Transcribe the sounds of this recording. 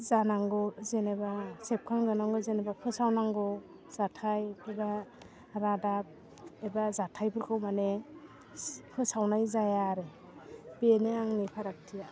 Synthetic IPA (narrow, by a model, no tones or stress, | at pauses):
zanaŋɡɔzenebasep̚kʰaŋzanaŋɡɯzenebakʰɯsawnaŋɡɔ | z̥atʰajeba | ɾadap̚ | ebazatʰajbɯɾkʰɯwmane | kʰɯsawnajzajaɾe | beneaŋnipʰaɾak̚tʰija